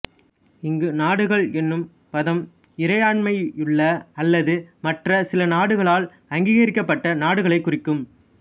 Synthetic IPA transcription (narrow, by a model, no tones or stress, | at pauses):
ɪŋɡɯnaːɽɯɣɐɭɛnːɯm | pɐðɐm | ɪɾɐjaːɳmɐɪʊɭːɐɐlːɐðɯmɐʈrɐsɪlɐnaːɽɯɣɐɭaːl | ɐŋɡiːɣɐɾɪkːɐpːɐʈːɐnaːɽɯɣɐɭɐɪkːʊrɪkːɯm